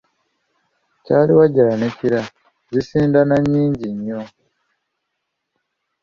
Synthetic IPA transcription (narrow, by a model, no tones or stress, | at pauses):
caːliwaɟalaneciɾa | zisiːndanaɲːiːɲɟiɲːo